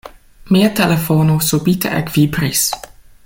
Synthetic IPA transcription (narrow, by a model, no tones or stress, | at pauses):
miːət̪ʰɛlefonosubiːt̪ʰə̰ʔɛ̰kv̥iːbɾis